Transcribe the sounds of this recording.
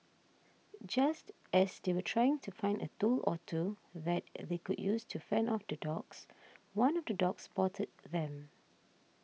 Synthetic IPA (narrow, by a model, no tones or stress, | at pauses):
d͡ʒast | ɛsdewətʰɹajɪ̃ŋtʰufãɪ̃ndətulɔ̰tʰuðɛt̚ðekudjustʰufɛ̃nɔfdədɔkswãnɔfdədɔkspɔtʰəd̚ðɛ̃m